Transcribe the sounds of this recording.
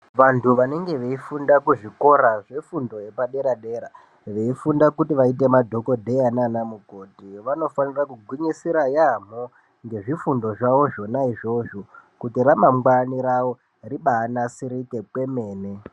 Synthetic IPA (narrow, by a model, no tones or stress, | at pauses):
ʋantʰuʋane̞ŋɡe̞ʋe̞ifundakuʐiko̞ɾaʐe̞fundo̞je̞paɗe̞ɾaɗe̞ːɾa | ʋe̞ifundakutiʋaite̞madʱo̞ko̞dʱe̞jananamuko̞tiʋano̞fanirakuɡʱwiɲisiɾajam̤o | ŋɡe̞ʐifundo̞ʐaʋo̞ʐo̞naiʐo̞ʐokutiramamɡwaniɾawo̞ | riɓaːnasiɾike̞kwe̞me̞ːne